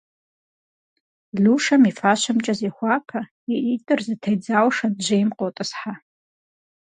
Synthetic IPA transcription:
ɮuʂamifaʃʷamt͡ʃʼɐzexʷakʰa | iʔitʼɨrzɨtʰejd͡zawʂadʒejmqʼotʼɨsħa

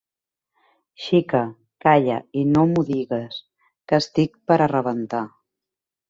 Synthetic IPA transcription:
ʃikə | kaʎə̰inomuðiɣəs | kəst̪ik̚pəɾərəβənt̪a

